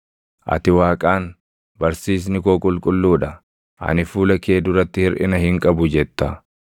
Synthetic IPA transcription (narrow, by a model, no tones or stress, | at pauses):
ʔɐ̰t̪ɪwaːkʼaːn | bɐɾsiːs̬nɪkoːkʼʊlkʼʊlːuːᶑɐ | ʔɐ̰nɪfuːlɐkeːd̪ʊɾɐt̪ːɪhɪɾʔɪ̰nɐhɪŋkʼɐbʊd͡ʒɛt̪ːɐ